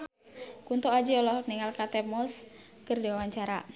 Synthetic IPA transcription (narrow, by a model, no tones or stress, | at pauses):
kunt̪ɔad͡ʒiɔlɔɦɔk̚niŋalkat̪ɛmɔskərdiwawaɲt͡ʃaɾa̰